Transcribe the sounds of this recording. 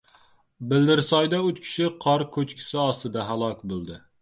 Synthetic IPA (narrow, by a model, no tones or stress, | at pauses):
bɪld̪ɪɾsɑjd̪aʊt͡ʃkʲʰɪ̥ʃɪqʰɑɾkʲʰɵt͡ʃkʲʰɪ̥sɪɒst̪ɨd̪aɦalˠɒkʲbolˠd̪ɪ